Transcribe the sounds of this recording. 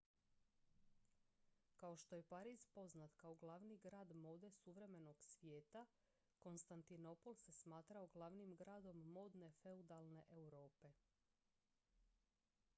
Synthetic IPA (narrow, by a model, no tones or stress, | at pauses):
kao̞ʃt̪oje̞paɾiːzpo̞znat̪kaoɡlˠaʋniɡɾaːd̪mo̞d̪e̞suʋɾe̞me̞no̞ɡ̥sʋjeːt̪a | ko̞nst̪ant̪ino̞polse̞smaːt̪ɾaoɡlˠaʋnimɡɾaːd̪o̞mːo̞ːd̪ne̞fe̞ud̪alˠne̞ʔewɾo̞ːpe̞